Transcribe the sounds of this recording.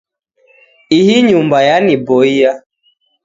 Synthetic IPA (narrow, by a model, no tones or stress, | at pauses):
ihiɲumbajanibɔija